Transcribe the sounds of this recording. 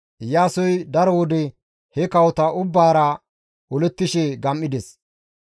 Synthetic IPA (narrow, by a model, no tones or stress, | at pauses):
jaːsɔjd̪ɐɾɔwɔd̪ɛ | hɛkɐwɔt̪ɐʔʊbːaːɾɐ | ɔlɛt̪ːɪʃɛɡɐmːɪd̪ɛs